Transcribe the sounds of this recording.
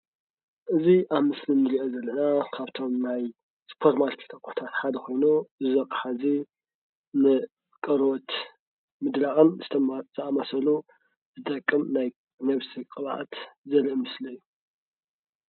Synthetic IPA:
ʔɨziʔaβmɨslimnɨziʔozɐlːɐnakʰaβt̪ʰo̞mnaj | spʰoɾmalt̪ʰi̥t̪ʰʼɐkʼuħu̥t̪ʰat̪ħad̪ɐxo̞jnuzɨzɐkʼħazi | nɨ | kʼɐɾot̪ | mɨd̪laʔʼɨnzɨt̪ʰzɐʔamɐsɐlu | zɨt̪ʼɐkʼːɨmnaj | nɐβsikʼɨβʕa̰t̪zɐlʔmɨslɐjːu

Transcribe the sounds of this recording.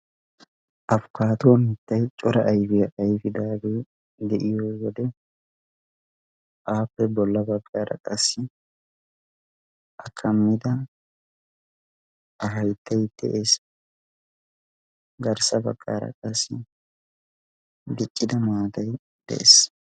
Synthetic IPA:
ʔɐfʊkaːt̪oːmɪt̪ːɐjt͡ʃʼɔɾɐʔːjfɪjɐʔɐjfɪd̪aːbe | d̪ɛʔɪjoːwɔd̪ɛ | ʔaːpːɛbɔlːɐbɐkʼːaːɾɐ̰kʼɐsːɪ | ʔɐkʰːɐmːɪd̪ɐ | ʔɐɦɐjt̪ːɐjt̪ɛ̰ʔeːs | ɡɐɾsɐbɐ̰ɡʼːa̰ːɾɐ̰kʼɐsːɪ | d̪ɪt͡ʃʼːɪd̪ɐmaːt̪ɐj | d̪̥ɛ̰ḛːs

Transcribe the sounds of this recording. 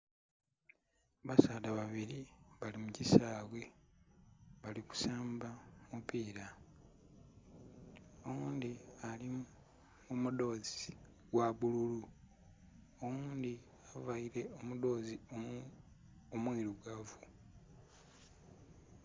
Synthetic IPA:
βasaːdaβaβiɾiβalimucisaːβwe̞ | βaliku̥saːmbamupiːɾa | owuːnd̪iali | umudo̞ːzi | ɡwaβululu | owuːnd̪i | avaiɾe̞omudo̞ːzio | omwiːɾuɡavu

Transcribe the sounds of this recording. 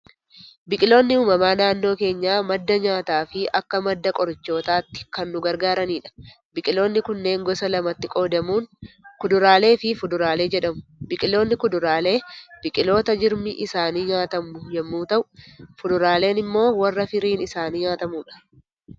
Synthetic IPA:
bɪkʼɪlo̞ːnːɪuːmɐmaːnaːnːo̞ːke̞ːɲːaːmɐd̪ːɐɲaːt̪aːfɪɐkːɐmɐd̪ːɐkʼɔɾɪt͡ʃːo̞ːt̪aːt̪ːɪ̥kɐnːʊɡɐɾɡaːɾɐniːᶑɐ̥ | bɪkʼɪlo̞ːnːɪkʊnːe̞ːŋɡɔsɐlɐmɐt̪ːɪkʼo̞ːd̪ɐmuːnkʊd̪ʊɾaːle̞ːfɪfʊd̪ʊɾaːleːd͡ʒɛᶑɐmʊ̥bɪkʼɪlo̞ːnːɪkʊd̪ʊɾaːle̞ːb̥ɪkʼɪlo̞ːt̪ɐd͡ʒɪɾmɪʔɪsaːniːɲaːt̪ɐmːʊjɛmːuːt̪ɐʔʊfʊd̪ʊɾaːle̞ːnɪmːo̞ːwɐrːɐfɪɾiːnɪsaːniːɲaːt̪ɐmuːᶑɐ̥

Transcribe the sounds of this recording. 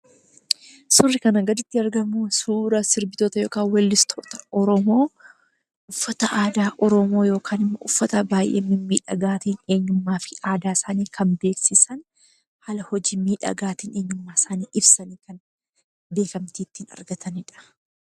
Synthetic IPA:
sʊrːɪkɐnɐɡɐd̪ɪt̪ːɪɐɾɡɐmʊsuːɾɐsɪɾbɪt̪oːt̪ɐjo̞ːkaːnwɐlːɪst̪ʰo̞ːt̪ɐ̥ɔɾɔmo̞ː | ʔʊfːɐt̪ɐʔaːd̪aːʔɔɾɔmo̞ːjo̞ːkʰaːnɪmːɐʊfːɐt̪ɐbaːjʔḛːmːɪmːiːᶑɐ̰ɡaːt̪iːne̞ːɲːʊmːaːfɪ̥aːd̪aːsaːniːkʰɐmbe̞ːksɪsɐn | hɐlɐhɔd͡ʒiːmiːᶑɐ̰ɡaːt̪iːneːɲːʊmːaːsaːniːʔɪbsɐniːkɐn | be̞ːkɐmt̪iːt̪ːɪɪnɐ̰ɾɡɐt̪ʰɐnɪᶑɐ̥

